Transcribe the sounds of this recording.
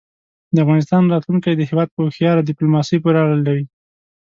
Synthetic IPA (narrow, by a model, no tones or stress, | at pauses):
d̪əafɣɑnɪs̬t̪ɑnɾɑt̪luŋkajd̪əɦɪwɑd̪̚pəxjɑɾad̪ɪplumɑsəjpəɾɑləlːawi